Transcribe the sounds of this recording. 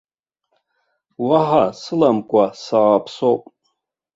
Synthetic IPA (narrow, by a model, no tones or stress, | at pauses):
waħasɨlamkʷʼasaːpʰsowpʼ